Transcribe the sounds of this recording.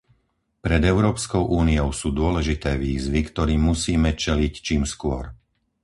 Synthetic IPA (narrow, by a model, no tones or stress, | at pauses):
pɾɛd̪ɛʊɾɔːpskɔʊʔuːniɔʊsuːd̪ʊɔlɛʒit̪ɛːʋiːzʋikt̪ɔɾiːmusiːmɛt͡ʃɛlict͡ʃiːmskʊɔɾ